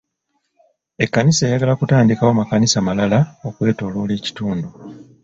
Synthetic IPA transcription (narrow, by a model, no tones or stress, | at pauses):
e̞kːaniseːjaɡalakutaːndikawomakanisamalalao̞kwe̞ːto̞ːlo̞ːle̞ːci̥tuːndu